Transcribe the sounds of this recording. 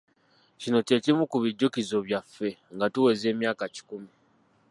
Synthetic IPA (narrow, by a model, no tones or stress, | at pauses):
cino̞te̞cimukuβiɟːukizo̞βjafːe̞ŋɡatuwe̞ze̞ːmjaːkaci̥kumi